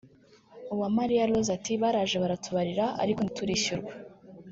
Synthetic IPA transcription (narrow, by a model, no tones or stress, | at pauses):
uβwamaɾijalozatiβaːɾaːʒeβaɾatʰuβaɾiɾaʔa̰ɾiko̞nituɾiɕuɾɡwe